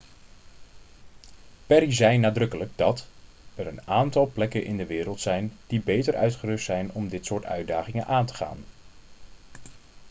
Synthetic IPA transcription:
pɛɾizɛjnaːdrɵkələɡ̚dɑt | ɛɾənaːntɑlˠplɛkənʔɪndəʋɪːɾəlˠtsɛjnd̥ibejtəɹʔœ̰ɥtχərɵstsɛjnɔmdɪtsʊːɹtœ̰ɥdaːχɪŋənʔaːntə̥χa̰ːn

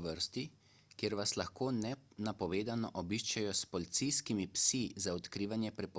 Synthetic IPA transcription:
ʋəɾst̪i | kjeːɾʋaslaxkoːnɛnapɔʋeːd̪anɔʔɔbiʃt͡ʃajɔspɔlit̪sijskimipsizaɔt̪kɾiːʋanjɛpɾɛpɔ

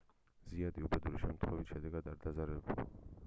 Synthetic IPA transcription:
ziad̪iubɛd̪uɾiʃɛmt̪ʰχwɛvit̪ʃɛd̪ɛɡad̪aɾd̪azaɾɛbul

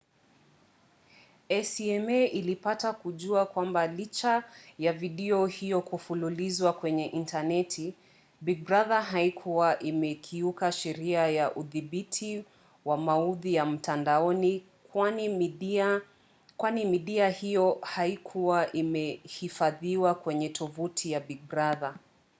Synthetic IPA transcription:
ɛsiɛmɛʔilipatakuʄuakwambalit͡ʃajaviɗɛɔhijɔkufululizwakwɛɲɛʔintanɛtʰi | biɡ̚bɾaðaɦaikʰuwaʔimɛkʰiukaʃɛɾiajaʔuðiɓitʰi | wamauðijam̩tandaɔni | kwanimiia | kwanimiɗiahijɔhaikʰuwaʔimɛhifaðiwakwɛɲɛtʰɔvutʰijabiɡ̚bɾaða

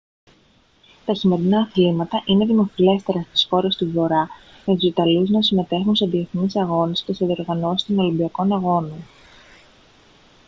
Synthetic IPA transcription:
t̪ɐçime̞ɾinɐːθlimɐt̪ɐʔine̞ðimo̞file̞st̪e̞ɾɐst̪i̥sxo̞ɾe̞st̪uvo̞ɾɐ | met̪usit̪ɐluznɐsime̞t̪e̞xunseðieθnisɐɣo̞nescesðio̞ɾɣɐno̞sist̪ono̞limbiɐko̞nɐɣo̞non

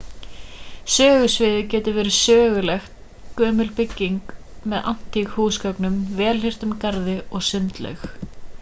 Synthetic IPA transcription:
sœːɣʏsvɪːðɪcɛːt̪ʏɾvɛːɾɪ̥sœːɣʏlɛxt̪̚ | kœːmʏlpɪcːiŋk | mɛða̰n̥t̪ixhuːskœknʏmvɛːlɦhɪr̥t̪ʏmkaɾðɪɔɣsʏnt̪lɛ̰ɥx

